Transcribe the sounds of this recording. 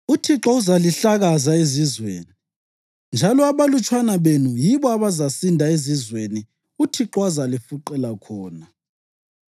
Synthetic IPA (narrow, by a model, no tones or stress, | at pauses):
utʰiǁɔuzaliɬaɣazaezizwḛːni | nd͡ʒʱalɔaβalut͡ʃʼʰwanaβenujiβɔaβazasindʱaezizweni | utʰiǁɔazalifuǃɛlakʰɔːna